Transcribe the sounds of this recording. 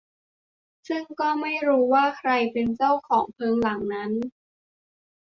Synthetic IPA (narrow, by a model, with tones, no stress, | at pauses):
sɯ˥˩ŋkɔː˥˩ma˥˩jɾuː˦˥waː˥˩kʰɾa˧jpe˧nt͡ɕa˥˩wkʰɔː˩˦ŋpʰɤː˧ŋla˩˦ŋna˦˥n